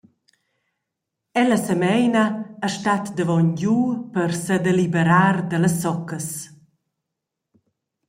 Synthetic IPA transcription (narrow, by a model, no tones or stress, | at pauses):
ɛləsəmɛjnəːʃtat̪d̪əvɔnɟupəɾsəd̪elibəɾaːɾd̪ələsːɔkəs